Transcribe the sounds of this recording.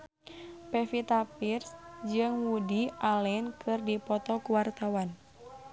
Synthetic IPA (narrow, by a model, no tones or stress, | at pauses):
pɛfit̪apirsd͡ʒɨŋwudiʔalɛnkʰɨrdipɔt̪ɔkuwart̪awan